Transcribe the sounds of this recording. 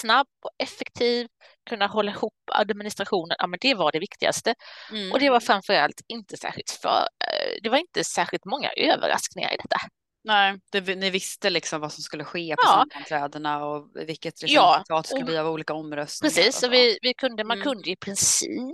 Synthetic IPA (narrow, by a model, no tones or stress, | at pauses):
snabːɔɛfːɛk̚t̪ʰiːv | kʰɵnːaɦɔlːaɪhuːpːa̰d̪mɪnɪst̪ɾaɧuːnənʔa̰ːmɛnd̪ɛvaɖɛvɪkt̪ɪɡa̰st̪əʔɔd̪ɛvaɾfɾamfœɾa̰lt̪ɪnt̪əsæ̰ːɾɧɪlt̪fœ̰ːɾd̪ɛvaɾɪnt̪əsæːɾɧɪlt̪mɔŋːa̰ʔøːvə̰ɾa̰sknɪŋa̰ɾɪ̰d̪ɛt̪ːa | nɛd̪̥ɛnɪvɪst̪əlɪksɔmvasɔmskɵlːəɧeːpɔɑːanʰɾɛːd̪əɳaɔvɪkːət̪ɾɛjɑːt̪ɑːt̪skɵləbːɾauːliːkaɔmːɾœst̪pɾɛsiːsɔvɪvɪkʰɵnd̪əmankʰɵnd̪əɪpʰɾɪnsḭːp